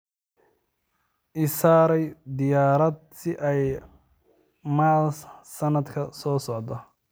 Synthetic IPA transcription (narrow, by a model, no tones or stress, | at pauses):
ʔɪsaːɾɛjd̪ɪjaːɾɐd̪̚sɪʔɛj | maːlsɐnɐd̪kʰɐsɔːsɔʕd̪ɔ